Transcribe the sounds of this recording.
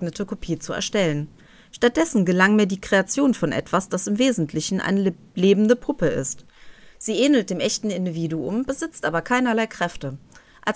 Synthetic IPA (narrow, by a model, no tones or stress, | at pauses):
ɡnətʰəkʰopʰiːt͡suɛ̰ɐʃtɛlən | ʃtat̚d̥ɛsn̩ɡəlaŋmiːɐdiːkʁ̥eat͡sjoːnfɔnʔɛ̰tv̥asd̥asɪmveːzn̩tʰlɪçn̩ʔa̰ɪnə | leːbm̩dəpʰʊpəɪ̰st | z̥iːʔeːnl̩t̚d̥eːmʔɛçtn̩ɪndiviːduʊ̰mbəzɪt͡stʔaːbɐkʰaɪnɐlaɪkʁ̥ɛftə | ʔa